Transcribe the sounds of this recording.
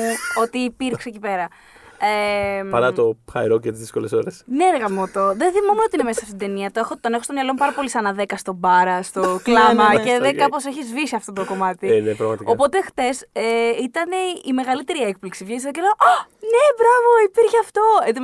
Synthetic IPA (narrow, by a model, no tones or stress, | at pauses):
uo̞t̪iːpiɾkse̞cipe̞ɾɐ | epɐɾɐt̪o̞xɐjɾoɐt̪izðisko̞leso̞ɾesneɾɣɐmot̪o̞ðenθimomeot̪ine̞mesɐsɐft̪id̪eniɐt̪oexot̪ːonexo̞st̪omjɐlo̞mupɐɾɐpo̞lisɐnɐðe̞kɐst̪o̞bɐɾɐst̪o̞klɐmɐceðekɐpo̞se̞çizvisiɐft̪o̞t̪oko̞mɐt̪inepɾɐɣmɐt̪iko̞po̞t̪e̞xθe̞seit̪ɐne̞ime̞ɣɐlit̪e̞ɾiek̚pliksivʝisɐðoc̬eleɣone̞bɾɐvo̞ipiɾçeɐft̪o̞et̪i